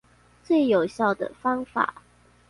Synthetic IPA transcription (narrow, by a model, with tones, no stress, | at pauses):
t͡swe˥˩ɪjo˨˩ʊɕjɑ˥˩ʊd̪ə̰˩fɑ˥ŋfa̰˨˩˦